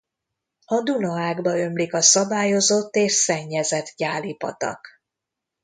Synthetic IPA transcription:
ɒd̪unɒaːɡbɒø̞mlikɒsɒbaːjo̞zo̞t̪ːeːʃsɛɲːɛzɛt̪ɟaːlipɒ̰t̪ɒ̰k

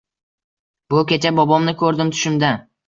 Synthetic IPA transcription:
bʊkʲet͡ʃʰabɒbɒmnɪkʲʰɵɾd̪ɪmt̪ʰʊ̥ʃɪmd̪a

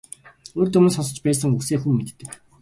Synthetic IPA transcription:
oːrt̪ɵm̆nsɔsɞ̆t͡ɕpæːs̬ə̆ŋukseːxumːet̪ːɘ̆k

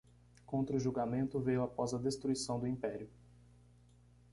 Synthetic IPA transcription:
kõnt̪ɾɐʊʒuɡamẽnt̪ʊvejʊapɔzɐd̪est̪ɾuisɐ̃w̃d̪ʊĩmpɛɾiʊ

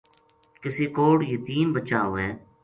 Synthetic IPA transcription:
kɪseːkoːɽjət̪iːnbət͡ʃaːoːɦɛː

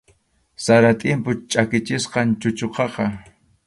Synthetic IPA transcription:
saɾat̪ʼɪmpʊt͡ʃʼakɪt͡ʃɪsqɑnt͡ʃʊt͡ʃoqɑqɑ

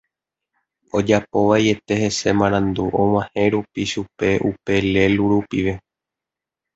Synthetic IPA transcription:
o̞d͡ʒapo̞ʋaie̞t̪e̞he̞se̞mãɾ̃ãnd̪uʔõw̃ãhẽ̞ɾupiʃupe̞ʔupe̞le̞luɾupiʋe̞

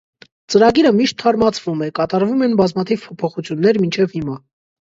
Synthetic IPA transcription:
t͡səɾɑɡiɾəmiʃt̪ʰːɑɾmɑt͡sʰv̥umɛkɑt̪ɑɾvumɛnbɑzmɑt̪ʰivpʰɔpʰɔχut͡sʰjunːɛɾmint͡ʃʰɛvhimɑ

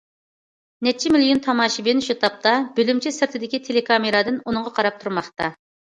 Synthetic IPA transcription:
nɛt͡ʃʰimɪlijunt̪ʰɑmɑːʃibenʃut̪ʰɑp̚t̪ʰɑbølymt͡ʃʰisɪɾt̪ʰɪd̪ɪkʲit̪ʰelekʰɑmeɾɑd̪ɨnunɨŋʁɑqʰɑɾɑp̚t̪ʰuɾmɑχt̪ɑ

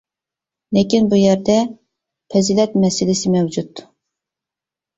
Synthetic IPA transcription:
lɪkʲinbujæɾd̪ɛ | pʰɛzɪlɛt̪mɛsɪlɪsɪmɛwd͡ʒut̪

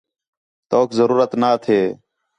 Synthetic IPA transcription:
t̪oːkzəɾuːɾət̪naːt̪ʰeː

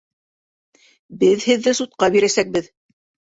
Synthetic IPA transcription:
bɘðhɘ̆ðːɘsut̪̚qɑbiɾæsæk̚bɘð

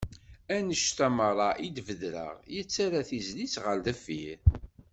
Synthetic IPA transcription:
ænəʃt̪æməɾˤɑʔid̪vəðɾə̰ʁjət͡sːaɾaθizlisʁəld̪əfːiɾ

